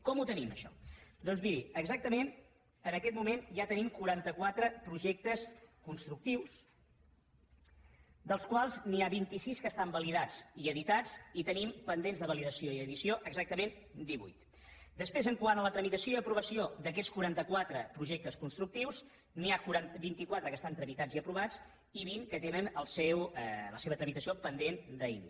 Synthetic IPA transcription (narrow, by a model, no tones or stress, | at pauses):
kɔmut̪əniməʃɔ̰d̪ɔnzβiɾiəɡzak̚t̪əmen | ənəkɛt̪mumenʒat̪ənimkuɾant̪əkwat̪ɾəpɾuʒɛk̚t̪əskunst̪ɾuk̚t̪iws | d̪əlˠskwalˠzniaβint̪isiskəst̪ambəliðad͡ziəðit̪at͡sit̪ənimpənd̪enzðəβəliðəsioiəðisioʔəɡzak̚t̪əmen | d̪iβṵjt̪ | d̪əspɾezəŋkwanələt̪ɾəmit̪əsioiəpɾuβəsiod̪əkɛt͡sskuɾant̪əkwat̪ɾəpɾuʒek̚t̪əskunst̪ɾuk̚t̪iwz | niakuɾanbint̪ikwat̪ɾəkəst̪ant̪ɾəmit̪ad͡ziəpɾuβad͡z | iβ̞iŋkət̪enənəlˠsɛwləseβət̪ɾəmit̪əsiopənd̪end̪əḭn